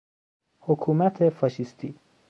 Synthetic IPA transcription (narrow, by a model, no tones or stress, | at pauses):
hokʰumæt̪ʰefɑʃist̪ʰi